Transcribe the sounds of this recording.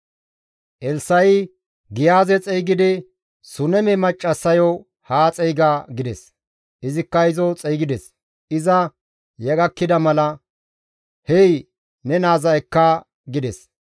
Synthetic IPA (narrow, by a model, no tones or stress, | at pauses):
ʔɛlsɐj | ɡɪjaːzɛt͡sʼɛjɡɪd̪ɪ | sʊnɛmɛmɐt͡ʃʼːɐsːɐjɔ | haːt͡sʼɛjɡaːɡɪd̪ɛs | ʔɪzɪkːɐɪzɔt͡sʼɛjɡɪd̪ɛs | ɪzɐ | jɛɡɐkːɪd̪ɐmɐlɐ | hɛj | nɛnaːzɐkːɐ | ɡɪd̪ɛs